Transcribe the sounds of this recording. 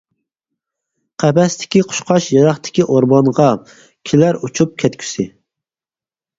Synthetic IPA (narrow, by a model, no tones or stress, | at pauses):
qʰæbɛst̪ʰɪ̥kʲiqʰʊ̥ʃqɑʃjɑɾɑχt̪ʰɪ̥kʲiʔoɾbɑnʁɑ | kʲʰilæɾut͡ʃʰup̚kʲʰɛt̪kʲʰy̥sɪ